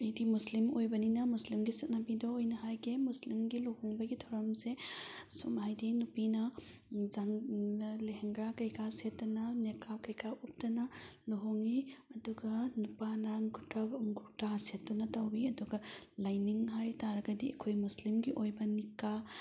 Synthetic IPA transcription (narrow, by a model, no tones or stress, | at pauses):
ɐjdimuslimojbɐninɐmuslimɡisɐt̚nabidɔojnɐɦajɡemuslimɡilohoŋbɐɡitʰawɾɐmsesumhajdinupinɐ | zaŋleɦeŋɡɾakɐjkasetːɐnɐnekʰawkɐjkʰaʔup̚tɐnɐloɦoŋiɐduɡɐnupanɐŋɡutaŋɡutasettːɐnɐtawbiɐduɡɐlajniŋɦajtaɾɐɡɐdiɐ̰kʰojmuslimɡiʔojbɐnikːa